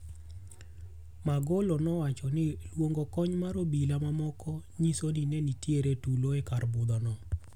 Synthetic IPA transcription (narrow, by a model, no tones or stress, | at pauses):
maɡolonɔwat͡ʃɔnɪlwoŋɡokɔɲmaɾobilamamɔkɔɲisoninɛnitjeɾetuloekarbʊd̪ɔnɔ